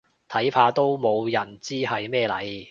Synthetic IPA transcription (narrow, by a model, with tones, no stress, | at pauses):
t̪ʰɐ˨˥jpʰaː˧t̪o˥wmo˨˧wjɐ˨˩nt͡siː˥hɐ˨jmɛː˥˧lɐ̰˨˥j